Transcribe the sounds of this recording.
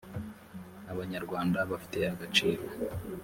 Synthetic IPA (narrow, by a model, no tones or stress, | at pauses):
aβaɲaɾɡwaːndaβafi̥te̞aɡat͡ʃiːɾo